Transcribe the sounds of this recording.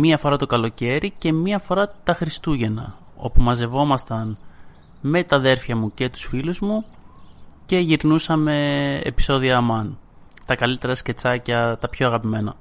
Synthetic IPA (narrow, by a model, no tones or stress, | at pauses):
miɐfo̞ɾɐt̪o̞kɐlo̞ce̞ɾice̞miɐfo̞ɾɐt̪ɐxɾist̪uʝe̞nɐ̰ | o̞̰pumɐze̞vo̞mɐst̪ɐn | me̞t̪ɐðe̞ɾfçɐmuce̞t̪u̥sfiluzmu | ce̞ʝiɾnusɐme̞̰ːpi̥so̞ðiɐmɐn | t̪ɐkɐlit̪e̞ɾɐsce̞t͡sɐcɐt̪ɐpço̞ɐɣɐpime̞nɐ̰